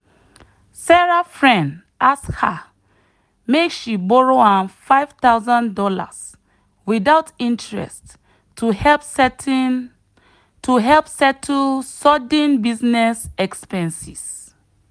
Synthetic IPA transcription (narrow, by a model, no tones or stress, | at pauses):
saɹafɹɛ̃nd | askha | mekʃibɔɹoãnfaɪv̥taʊzãndɔla̰s | widaʊtĩntɹɛ̰stʰ | uhɛp | tʰuɦɛlpsɛtʰusɔdə̃nbiznɛsɛkspɛ̃nsis